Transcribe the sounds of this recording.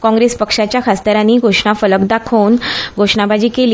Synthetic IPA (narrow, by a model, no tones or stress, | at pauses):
kɔ̃ŋɡɾespəkʂat͡ɕjakast̪əɾaniːɡʱoʂɳafələkd̪akʰənɡʱoʂɳabʱad͡ʑiːkeli